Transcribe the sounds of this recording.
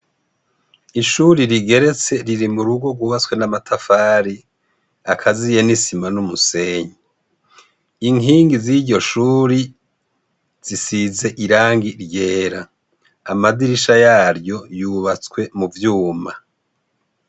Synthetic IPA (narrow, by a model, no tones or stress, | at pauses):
iʃuɾiɾiɡe̞ɾe̞t͡se̞ɾiɾimuɾuɡo̞ɡwuːβat͡swe̞namatʰafaːɾi | akʰazije̞nisimanumuse̞ɲi | iŋiːŋɡiziɟo̞ʃuːɾi | z̥isize̞ʔiɾaːŋɡiɾje̞ːɾaː | madiɾiʃajaːɾjo̞juːβat͡swe̞muvjuːma